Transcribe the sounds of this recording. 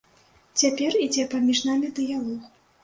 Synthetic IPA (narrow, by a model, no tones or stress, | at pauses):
t͡sʲapʲɛrid͡zʲɛpamʲiʐnamʲid̪ɨjalˠɔx